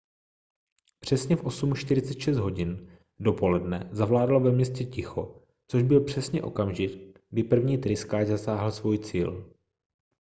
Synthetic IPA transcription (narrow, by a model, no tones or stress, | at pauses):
pr̝̥ɛsɲɛfʔo̞sumʃt̪ɪɾɪt͡sɛt̪ʃɛst̪ɦo̞ɟɪn | do̞po̞lɛdnɛzavlaːdlovɛmɲɛscɛcɪxo̞ | t͡so̞ʒbɪlpr̝̥ɛsɲɛʔo̞̰kamʒɪt̪ɡ̚dɪpr̩vɲiːt̪ɾɪskaːd͡ʒzasaːɦl̩svujt͡siːl